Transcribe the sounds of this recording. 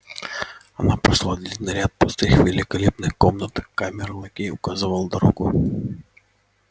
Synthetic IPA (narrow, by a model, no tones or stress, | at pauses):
ɐ̰napɾɐʂlˠad̪ʲlʲit̪ʲnɐɾʲat̪̚pʊst̪ɨxvʲɪlʲɪkɐlʲepnɨxkomnət̪kamʲɪɾɨlˠɐkʲejʊkazɨvəlˠəd̪ɐɾo̰ɡʊ